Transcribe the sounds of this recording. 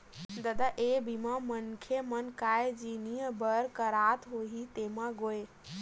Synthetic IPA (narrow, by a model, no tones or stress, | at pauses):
d̪əd̪aʔebʱimamənkʰemənkajd͡ʒinijəbəɾkəɾat̪ɦoɦit̪emaɡoe